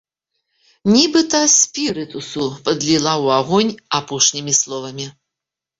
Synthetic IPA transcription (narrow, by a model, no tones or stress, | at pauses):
nʲibɨt̪ɐsʲpʲiɾɨt̪usupɐd̪lʲilˠawaɣɔnʲapɔʂnʲimʲislˠɔvɐmʲi